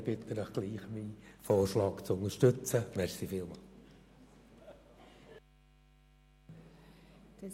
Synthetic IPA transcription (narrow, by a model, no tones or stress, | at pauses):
b̥ɪt̪ənəχɡ̥liːχmifɔːrʃlɑːkt͡sʊnəɾʃtɵt͡səmɛɾsifɪlmɑːl